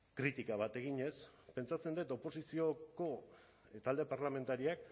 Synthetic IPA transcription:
kɾit̪ikaβ̞at̪e̞ɣ̞iɲe̞spe̞nt͡sat͡se̞nd̪et̪o̞po̞sisio̞ko̞ | t̪ald̪e̞paɾlame̞nt̪aɾiak

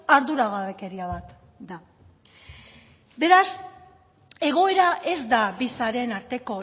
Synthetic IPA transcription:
aɾðuɾaɣaβe̞ke̞ɾiaβat̪ | d̪a | be̞ɾas | e̞ɣ̞o̞e̞ɾaʔe̞zd̪abisaɾe̞naɾt̪e̞ko̞

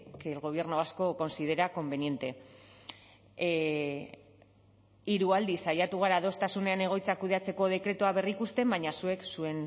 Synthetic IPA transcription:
kelɣo̞β̞je̞rnoasko̞ko̞nsiðe̞ɾako̞mbe̞nie̞nt̪e̞ | iɾuald̪isajat̪uɣ̞aɾaðo̞st̪asune̞ane̞ɣ̞o̞jt͡sakuð̞e̞at͡se̞ko̞ð̞e̞kɾe̞t̪uaβe̞rikust̪e̞mbaɲasue̞ksue̞n

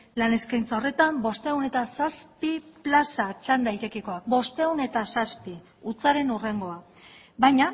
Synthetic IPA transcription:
lane̞skajnt͡sao̞re̞t̪ambo̞st̪e̞ɣune̞t̪asaspiplasat͡ʃand̪ajt̪e̞keko̞ak̚bo̞st̪e̞ɣune̞t̪asaspi | ut͡saɾe̞nure̞ŋɡo̞a | bajɲa

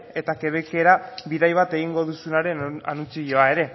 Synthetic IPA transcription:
e̞t̪ake̞β̞eke̞ɾaβiðajβat̪e̞ɣ̞iŋɡo̞ðusunaɾe̞nanut͡siʎo̞ae̞ɾe̞

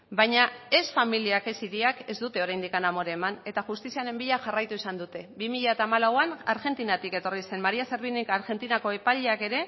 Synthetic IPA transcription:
bajɲae̞sfamiliake̞siɾiake̞zd̪ut̪e̞o̞ɾajnd̪ikanamo̞ɾe̞ːmane̞t̪axust̪isiane̞mbiʎaʝarajt̪uisand̪ut̪e̞βimiʎaet̪aːmalawanaɾɣe̞nt̪inat̪ike̞t̪o̞rise̞nmaɾiase̞ɾβinikaɾɣe̞nt̪inako̞e̞paʎeake̞ɾe̞

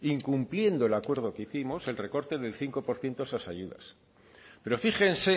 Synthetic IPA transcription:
iŋkumplje̞nd̪o̞e̞lakwe̞ɾð̞o̞keiθimo̞se̞lre̞ko̞ɾt̪e̞ðe̞lθiŋko̞po̞ɾθje̞nt̪oesasaʝuða̰s | pe̞ɾo̞fiχe̞nse̞

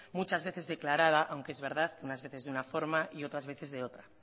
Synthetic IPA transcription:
mut͡ʃazβe̞θe̞zðe̞klaɾað̞aʔawŋkeezβe̞ɾð̞aðkeunazβe̞θe̞zðunafo̞ɾmaʔio̞t̪ɾazβe̞θe̞zðe̞o̞t̪ɾa

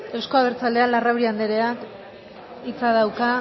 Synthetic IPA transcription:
e̞wsko̞aβeɾt͡sald̪ealarawɾiand̪eɾe̞ak | it͡saðawka

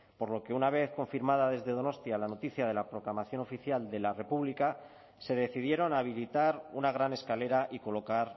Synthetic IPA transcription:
po̞ɾlo̞ke̞unaβ̞e̞θko̞ɱfiɾmaðaðe̞zðe̞ðo̞no̞st̪jalano̞t̪iθjað̞e̞lapɾo̞klamaθjo̞no̞fiθjald̪e̞lare̞puβlika | se̞ðe̞θiðje̞ɾo̞naβ̞ilit̪aɾunaɣ̞ɾane̞skale̞ɾaʔiko̞lo̞kaɾ

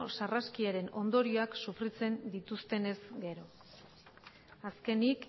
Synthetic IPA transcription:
saraskiaɾe̞no̞nd̪o̞ɾio̞aksufrit͡se̞nd̪it̪ust̪e̞ne̞zɡe̞ɾo̞ | aske̞nik

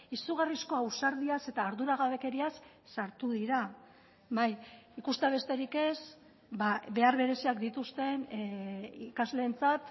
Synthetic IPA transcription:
isuɣarisko̞awsaɾðiase̞t̪aːɾðuɾaɣ̞aβe̞ke̞ɾiasː | aɾt̪uðiɾa | βajikust̪eaβ̞e̞st̪e̞ɾike̞s | baβe̞aɾβe̞ɾe̞siakd̪it̪ust̪e̞n | ikazle̞ːnt͡sat̪

